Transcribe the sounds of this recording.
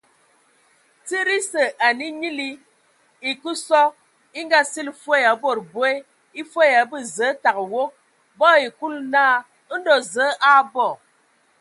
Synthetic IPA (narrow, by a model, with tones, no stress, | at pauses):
t͡si˦ɾi˦sə˨ʔa˨ni˦ɲi˦li˦ | i˨ku˦sɔ˦ | i˦ŋɡa˦si˦lfwo˦ja˨bo˨ɾbwe˦ | i˦fwe˦ja˨bə˦˨zə˨˦ta˨kwo˦ | bɔ˦i˨ku˦lnaː˦˨˦ | n̩˦dɔ˨zəː˨˦ʔa˦bɔ˦˨